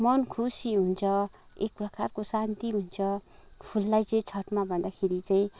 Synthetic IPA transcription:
mʌnkʰusiɦunt͡sʰʌ | ek̚prʌkarkosant̪iɦunt͡sʰʌ | pʰulːajt͡saĩt͡sʰʌʈmabʱʌnd̪akʰeɾit͡saĩ

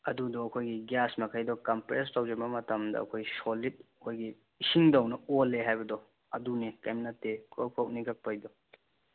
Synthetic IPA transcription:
ɐdudɔɐkʰojɡiɡjasmɐkʰajdɔkɐmpɾestawd͡ʒebɐmɐtʰɐmdɐ̰ɐ̰kʰojsolit̚ | kʰojɡiː | siŋdawnɐolːeɦajbɐdɔ | ɐdunikḛmnɐtːekʰoɾpʰawk̚niɡɐk̚pajdɔ

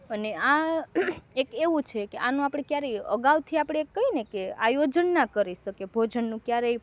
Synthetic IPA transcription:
ənea | ekeʋũt͡ʃʰekeʔanũapɽ̃ekjaɾeə̰ɡaʋt̪ʰiapɽ̃eekːəɦinekeajod͡ʒənːakəɾisəkebʱod͡ʒənːũkjaɾej

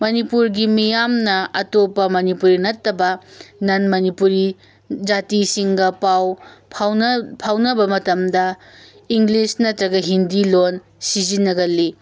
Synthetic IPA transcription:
mɐnipuɾɡimijamnɐɐtopɐmɐnipuɾinɐtːɐbɐnɐnmɐnipuɾi | d͡ʒatisiŋɡɐpawʰ | pʰawnɐbɐmɐtɐmdɐ | iŋɡlisnɐtɾɐɡɐɦindilon | sizinɐɡɐlːi

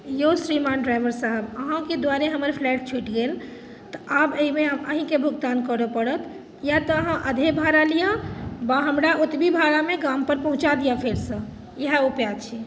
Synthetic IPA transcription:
josɾimanɖɾajbəɾsaɦəbəɦãked̪waɾeɦəməɾpʰlɛʈ̚t͡ʃʰuʈɡel | t̪əʔabəimeɦəməɦĩkebʱuɡt̪ankəɾəpəɽət̪ | jat̪əːɦãʔəd̪ʱebʱaɾalijabaɦəmɾaʔut̪bibʱaɾameɡampəɾpəɦũt͡ʃad̪ijapʰeɾsə̃ | jeɦaupjat͡ʃʰi

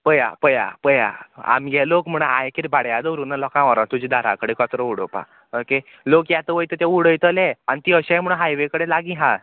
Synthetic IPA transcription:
pəja̰pəja̰pəja̰a̰mɡɛlokm̤əɽ̃a̰jkiɾibaɽjad̪əɾunalɔkãʋaɾãt̪ud͡ʑid̪aɾa̰kəɽekɔt̪ɾɔuɽəpa̰ | oke | lokjat̪əʋəjt̪ət̪ãuɽəjt̪əlɛañit̪iəɕãjm̤əɽ̃əɦajʋekəɽelaɡĩɦã

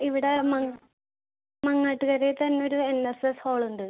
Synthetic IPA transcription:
iʋiɽe̞mɐŋ | mɐŋːaʈːuɣɐɾet̪ɐnːeo̞ɾuenːesesho̞ːɭuɳɖɨ

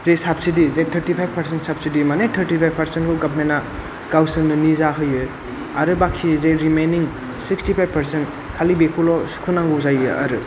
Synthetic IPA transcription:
zejsapsidizejtʰɐɾtipʰajbpɐɾsentsap̚sidimanetʰɐɾtipʰajbpɐɾsentkʰuɡabmena | ɡ̥awsɯŋnɯnizaɦɯjɯ | aɾɯbaksizejɾimejniŋ | sikstipʰajb̚pɐɾsent | kʰalibekʰulɔsu̥kʰunaŋɡozajɯa̰ɾɯ

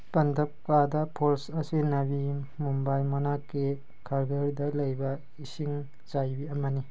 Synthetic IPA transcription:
pɐndʱɐp̚kadɐpʰoɾsɐsinɐbi | mumbajmɐnakːe | kʰaɾɡɐɾdɐlɐjbɐ | isiŋ | t͡ʃajbiɐmɐni

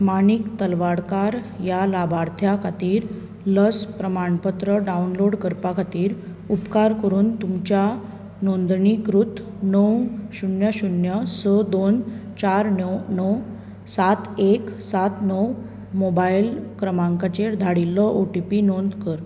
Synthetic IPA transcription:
manikt̪əlʋaɽkaɾjalabaɾt̪ʰjakʰat̪iːɾ | ləspɾəmaɳpət̪ɾəɖaunloɽkəɾpakʰat̪iːɾ | upkaɾkəɾuːnt̪umt͡ɕja | nond̪ɳikɾut̪ | nəwɕunjəɕunjəsəd̪ont͡ɕaɾnnəw | sat̪eksat̪nəw | mobailkɾəmãŋkat͡ɕeɾd̪ʱaɽilːəʔoʈipinond̪kəɾ

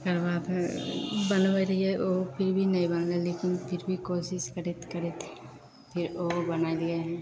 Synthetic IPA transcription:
kɐɾbaːd̪ | bɐnbəɾɐɦiɛoːpʰɪɾbʱinɐɦĩbɐnleleːkɪnpʰɪɾbʱikoːʃɪʃkɐɾet̪kɐɾet̪ʰ | pʰɪɾoːbɐnaːid̪ieɦɛ̃

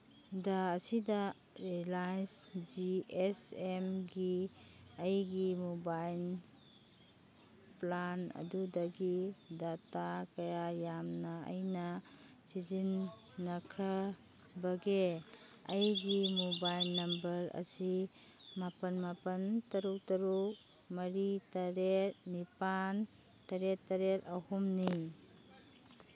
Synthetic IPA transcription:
daːsida | ɾilajnsd͡ʒiesemɡiɐjɡimubajl | planɐ̰dudɐɡidatakɐjajamnɐə̰jnɐ | sid͡ʒinː | ɐkʰɾɐ | bɐɡe | ɐjɡimubajlnɐmbɐɾɐ̰si | mapɐnmapɐntɐɾuk̚tɐɾuk̚ | mɐɾitɐɾet̚nipan | tɐɾetːɐɾetɐhumni

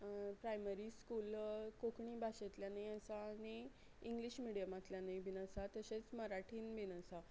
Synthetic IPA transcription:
pɾajməɾiːskuːlkokɳiːbʱaɕet̪ljanajəsaːɽ̃i | iŋɡliɕmiɽijəmat̪ljanaibʱinəsat̪əɕet͡sməɾaʈʰiːnbinəsa

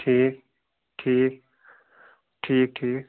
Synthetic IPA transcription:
ʈʰiːk̚ | ʈʰiːk | ʈʰiːk̚ʈʰiːk

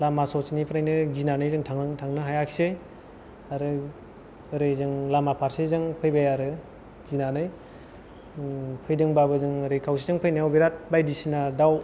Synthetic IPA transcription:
lamasɔsinipʰɯɾnajnɯɡinanɯjzɯŋtʰaŋɯŋtʰaŋnɯɦajakʰi̥sej | aɾɯ | ɾɯjzɯŋlamapʰaɾsizɯŋpʰɯjbajaɾɯ | ɡinanɯj | pʰɯjdɯŋbabɯzɯŋɾɯjkʰawsʰizɯŋpʰɯjnawbiɾat̚bajdisinadaw

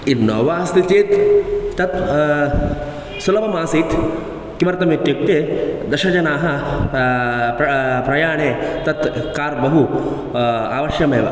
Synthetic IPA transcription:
innːoːʋaːst̪it͡ʃeːt̪ːɐt̪ | sulɐbɐmaːsiːt̪ | kimɐɾt̪ɐmit̪jik̚ʈ̪eːd̪ɐʃɐd͡ʒɐnaːɦɐ | ɾɐpɾɐjaːɳeːt̪ɐt̪kaːɾbɐɦu | a̰ːʋɐʃjɐmeːʋɐ̰

